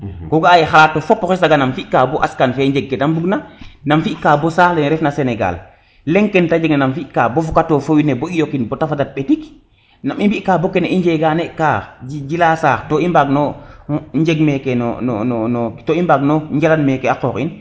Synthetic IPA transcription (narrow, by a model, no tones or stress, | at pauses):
kɔɡaːjɛxalaːtːɔfɔpːɔxɛsaɡanamfiʔkaːbɔʔaskanfɛɲd͡ʒɛɡ̚ːɛdambuɡnanamfiʔkaːbɔsaːlɛnɾɛfnasenɛɡa̰l | lɛŋkɛntad͡ʒeɡnanamfiʔkaːbɔfɔkatofowineboijokinbɔtafadat̚ɓetik | namimbiʔkabɔkɛnɛʔiɲd͡ʒɛɡanɛʔkaːxid͡ʒilasaːxtɔimbaɡnɔ | ɲd͡ʒeɡmɛkɛnɔ̰n̰nɔnɔtɔimbaɡnɔɲd͡ʒalanmɛkɛakɔːkḭn